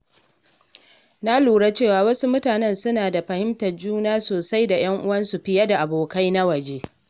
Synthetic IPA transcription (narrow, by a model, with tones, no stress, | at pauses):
na˦luː˨ɽa˦t͡ʃeː˦˨waː˨wɐ˦su˦mʊ˦taː˨nɛ˦˨nsʊ˦naː˨da˨ɸɐ˨hɪ˦mtɐ˨rd͡ʒuː˦naː˦soː˨sa˦jda˨j̰ɐ˦ŋʔʊ˦wɐ˦nsu˨ɸɪ˦jɐ˦da˨ʔa˨boː˨ka˦jna˦wɐ˨d͡ʒeː˦